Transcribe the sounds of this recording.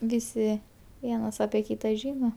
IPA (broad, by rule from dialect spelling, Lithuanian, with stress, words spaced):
ˈʋʲɪsʲɪ ˈʋʲiɛnɐs ɐpʲiɛ ˈkʲiːtɐ ˈʒʲɪnoː